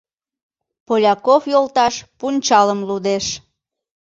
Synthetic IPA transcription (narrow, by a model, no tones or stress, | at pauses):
polʲɑkofjolt̪ɑʃpunʲt͡ɕɑləmlud̪eʃ